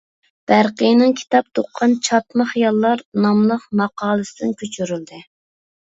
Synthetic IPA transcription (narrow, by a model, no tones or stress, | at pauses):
b̥æɾqəjnɨŋkʲʰi̥t̪ɑp̚t̪ʰoqʰːɑnt͡ʃʰɑt̪mɨχijɑlˠːɑɾnɑmlˠəqmɑqɑːlˠɨsɨd̪ɪnkʲʰøt͡ʃʰyɾyld̪ɪ